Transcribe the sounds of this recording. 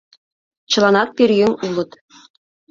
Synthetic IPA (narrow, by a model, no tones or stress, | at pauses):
t͡ɕɤ̆lˠɑnɑt̪̚pʲirʲjɘ̆ŋʲulˠɤ̆t̪